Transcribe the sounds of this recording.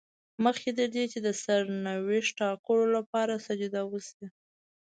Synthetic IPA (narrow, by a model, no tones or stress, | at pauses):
məxked̪əɾd̪et͡ʃed̪əsaɾnaweʃʈɑkəlolapɑɾasad͡ʒud̪awəsi